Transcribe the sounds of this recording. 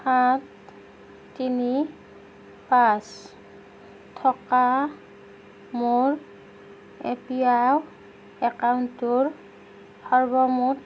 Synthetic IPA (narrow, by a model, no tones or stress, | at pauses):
xatː | ini | pas | tʰɔka | muɹ | epiaw | ɛkawntuɹ | bɔɹbɔmut